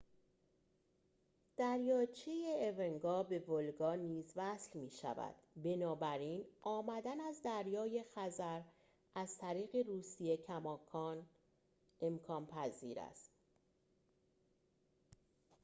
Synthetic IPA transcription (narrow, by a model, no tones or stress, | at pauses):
d̪̥æɾjɒːt͡ʃʰejeːveŋɡɒːbe̞volɡɒːniːzvæslmiːʃæ̰væ̰d̪̥be̞nɒːbæɾiːnʔɒːmæd̪ænæzd̪æɾjɒːje̞xæzæɾ | ʔæz̥t̪ʰæɾiːɣe̞ruːsije̞cʰæmɒːkʰɒːn | e̞mkʰɒːnpʰæzḭːɾæ̰st̪